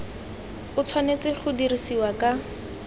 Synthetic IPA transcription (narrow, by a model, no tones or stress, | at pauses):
ʊt͡sʰwanet͡sɪχʊdirisiwakʼa